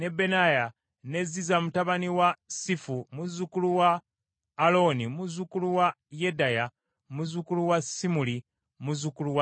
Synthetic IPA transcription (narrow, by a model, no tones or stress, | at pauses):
ne̞be̞naja | ne̞zizamutaβaniwasifumuzukuluwaː | lo̞nimuzukuluwa | jedaja | muzukuluwasimuli | muzukuluwa